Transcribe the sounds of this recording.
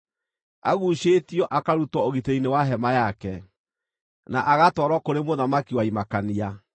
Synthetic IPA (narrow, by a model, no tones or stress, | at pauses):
a̰ɣuːʃetjɔʔakaɾutɔoɣiteinewaɦɛmajakɛ | naʔaɣatwɔɾɔkoɾemoðamakiwaimakania